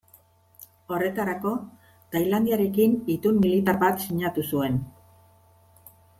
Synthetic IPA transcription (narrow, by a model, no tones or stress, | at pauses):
o̞re̞t̪aɾako̞ | t̪ajland̪iaɾe̞kinit̪unmilit̪aɾβat̪siɲat̪usue̞n